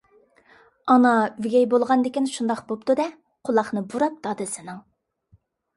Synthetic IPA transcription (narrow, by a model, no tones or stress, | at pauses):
ɑnɑɡʲɛjbolˠʁɑnd̪ɪkʲinʃund̪ɑqbop̚t̪ud̪ɛ | qʰʊlˠɑχnɨbuɾɑp̚d̪̥ɑːd̪ɨsɪnɪŋ